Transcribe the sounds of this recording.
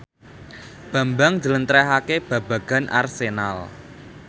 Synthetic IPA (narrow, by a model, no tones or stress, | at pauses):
b̥ä̤mbaŋd͡ʒələnt̪ɾɛɦakeb̥ä̤b̥a̤ɡ̥a̤nʔa̰rsena̰l